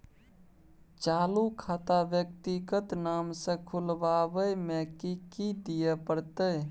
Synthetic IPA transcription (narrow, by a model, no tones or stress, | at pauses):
t͡ʃalukʰat̪abjək̚t̪iɡət̪namsẽkʰulbabəjmekikid̪ijepəɾt̪əj